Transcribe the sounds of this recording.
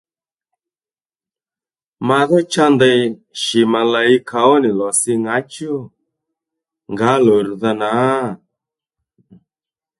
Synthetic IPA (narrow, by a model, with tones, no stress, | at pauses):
ma˨˧ðɔ˦t͡ʃa˦ndɛ˧ʃi˨ma˨la˨i˦kʰa˨ɔ˦nɪ˨lɔ˨sɪ˧ŋa˨˦t͡ʃo˦ | ŋɡa˨˦lɔ˨ɾu˨ða˧na˨˦˨